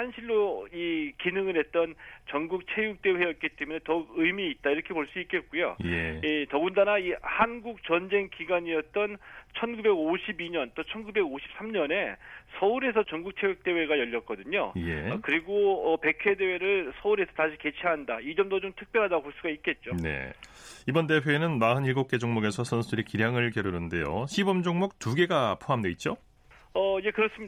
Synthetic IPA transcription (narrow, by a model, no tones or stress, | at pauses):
hanɕʰiɭːoikinɯŋɯɾɦe̞t̚t͈ʌnt͡ɕʌŋɡuk̚t͡ɕʰe̞juk̚t͈e̞we̞jʌt̚k͈it͈e̞munetʌɡɯjmiːt̚t͈aiɾʌkʰe̞poɭs͈ik͈e̞t̚k͈ujo̰jeitʌɡundanaihanɡuk̚t͡ɕʌnd͡ʑe̞ŋkiɡwaɲijʌt̚t͈ʌnt͡ɕʰʌnɡube̞ɡoɕʰibiɲʌnt͈ot͡ɕʰʌnɡube̞ɡoɕʰi̥p̚s͈ʰamɲʌne̞sʰʌuɾe̞sʰʌt͡ɕʌŋɡuk̚t͡ɕʰewek̚t͈e̞we̞ɡajʌʎːʌt̚k͈ʌdɯɲo̰je̞̰kɯɾiɡoʌpe̞kʰe̞de̞we̞ɾɯɭsʰʌuɾe̞sʰʌtaɕʰike̞t͡ɕʰiandaid͡ʑʌmdod͡ʑomtʰɯk̚p͈jʌɭɦadaoɦoɭs͈uɡait̚k͈e̞t̚t͡ɕ͈one̞̰ | ibʌnte̞pʰjoenɯnmaɦɯniɭɡok̚k͈e̞d͡ʑoŋmoɡe̞sʰʌsʰʌnsʰudɯɾikiɾjaŋɯɭkjʌɾuɾɯnde̞jo̰ɕʰibʌmd͡ʑoŋmuk̚tuɡe̞ɡapʰoɦamdeit̚t͡ɕ͈o | ʌje̞kɯɾʌs͈ɯmi